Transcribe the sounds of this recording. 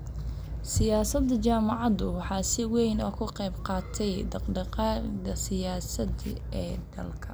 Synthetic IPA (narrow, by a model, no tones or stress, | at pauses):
sɪjaːsɐd̪ɐt͡ʃaːmɑʕɑðʊwɑħɑːsɪwɛjnɔːkʰʊqɛjbqɑːt̪ʰɛjd̪ɑqɖɑqɑːd̪ɐsɪjaːsɐd̪ɪɛːd̪ɐ̰lkʰɐ